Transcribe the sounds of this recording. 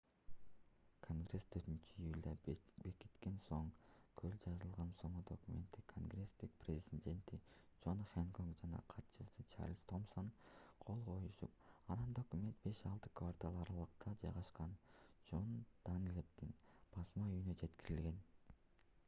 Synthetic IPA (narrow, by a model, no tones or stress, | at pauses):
kʰo̞ŋɡre̞st̪ʰøɾt̪ynt͡ʃyijulʲd̪ɑbeki̥t̪ke̞nso̞ŋkʰøld͡ʒɑzɯlˠʁɑnso̞ɴud̪o̞kumʲe̞̰nt̪ːikʰo̞ŋɡre̞st̪ik̚prʲezʲenʲd̪ʲe̞nt̪i | d͡ʒo̞nχʲeŋkoŋkd͡ʒɑnɑ̰qʰɑt̪t͡ʃɯsɯt͡ʃʰa̰rlʲst̪o̞msonqʰo̞lˠʁʰo̞juʃup̚ɑnɯnd̪o̞kumʲe̞nt̪be̞ʃɑlˠt̪ɯ̥kvart̪alˠɑɾɑlˠɯqt̪ɑd͡ʒɑjʁɑʃqɑnd͡ʒo̞nd̪̥ɑnlʲep̚t̪inb̥ɑsmɑyjynød͡ʒe̞t̪kiɾilɡe̞n